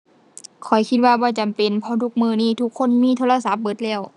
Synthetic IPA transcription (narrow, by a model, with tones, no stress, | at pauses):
kʰɔ˨˩jkʰi˧t̪̚waː˧bɔː˧˦t͡ɕa˨mpe˨npʰɔ˧˥t̪ʰu˧˩k̚mɯː˧˩niː˧˩˨t̪ʰu˧˩kʰːo˧˥˨nmiː˧˥˨t̪ʰoː˧la˧sa˧˦p̚bɤ˧˦t̪̚lɛː˧˥˩w